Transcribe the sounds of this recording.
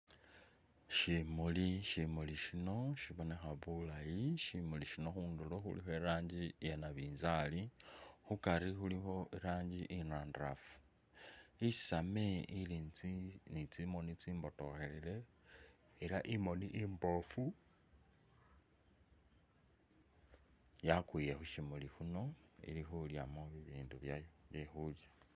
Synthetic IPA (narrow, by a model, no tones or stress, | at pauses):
ʃimuliʃimuliʃino̞ʃiβo̞ne̞xaβulajiʃimuliʃino̞xuːnduloxṵlḭxoeɾaːɲɟijenaβiːnzalixukaɾixulixo̞ʔeɾaːɲɟiʔinaːndra̰fu̥ | i̥sameili | nit͡simo̞nit͡siːmbo̞to̞xe̞lile̞ː | laʔimo̞niʔimbo̞fu | jakwijexuʃimulixuno̞ḭlixuljamoβiβiːnduβjajoβjexulja